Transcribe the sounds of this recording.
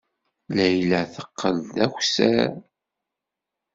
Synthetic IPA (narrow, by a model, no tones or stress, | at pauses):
læjləθə̥qːəld̪æxsæ